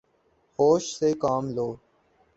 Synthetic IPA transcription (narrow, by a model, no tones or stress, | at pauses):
hoːʃseːkaːmloː